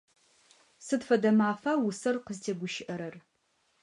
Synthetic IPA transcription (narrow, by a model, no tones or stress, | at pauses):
sɨtfɐdɐmaːfaːwʊsɐrqəztʰeːɡʷʊʃɪʔɐɾɐr